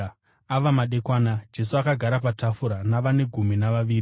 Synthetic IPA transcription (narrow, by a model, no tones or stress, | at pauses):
aʋamaɗe̞kwaːnad͡ʒe̞suakaɡʱaɾapatafuɾanaʋane̞ɡʱuminaʋaʋiːɾi